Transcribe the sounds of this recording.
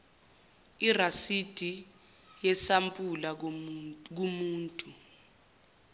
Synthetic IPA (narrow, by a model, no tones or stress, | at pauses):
irasid̥ʱi | jɛsampʼula | k̬umuːntʼu